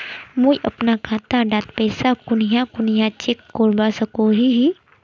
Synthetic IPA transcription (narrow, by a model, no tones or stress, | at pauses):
mũjʔɐpnakʰat̪aɖaːt̪pɛːsakʊnijakʊnijãt͡ʃekːoɾbasəkoɦiɦi